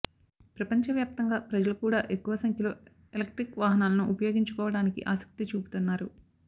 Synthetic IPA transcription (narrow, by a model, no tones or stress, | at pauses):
pɾɐpɐɲt͡ʃɐʋjaːp̚t̪ɐŋɡaːpɾɐd͡ʒɐlɐkuːɽaːʔe̞kːuʋɐsɐŋkʰjɐlo̞ː | elɐk̚ʈɾikʋaːɦɐnaːlɐnuʔːpɐjo̞ːɡiɲt͡ʃukɔːʋɐɽaːnikḭʔaːsɐ̥k̚t̪it͡ʃuːput̪unːaːɾu